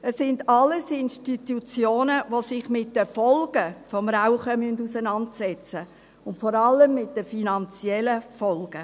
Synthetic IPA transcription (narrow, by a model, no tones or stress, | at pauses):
ɛsːɪndɑlːəsɪnʃtitut͡sjoːnəʋosɪχmɪt̚d̥əfɔlɡ̥əfɔmraʊχəmyndusənɑntsɛt͡sə | ʊntfɔɾɑlːəmːɪt̚dəfinɑnt͡siɛləfɔlɡ̥ə